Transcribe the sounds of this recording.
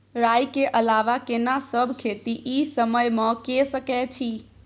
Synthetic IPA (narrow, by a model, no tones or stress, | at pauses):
ɾajkeʔəlaʋakenasəbʱkʰet̪iʔisəməjmə̃kesəkɛt͡ʃʰi